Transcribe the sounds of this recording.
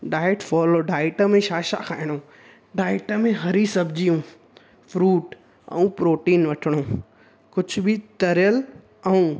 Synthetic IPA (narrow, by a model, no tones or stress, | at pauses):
ɖaːɪʈfɔːloɖaːɪʈəmẽʃaːʃa̰kʰaːɪɽ̃o | ɖaːɪʈəmẽɦɐɾisɐbʱd͡ʑijũ | fɾuːʈ | ɛ̰̃ũpɾoːʈiːnʋɐʈʰɪɽ̃õ | kʊd͡ʑʱʊbɪt̪ɐɾjəl | ɛũ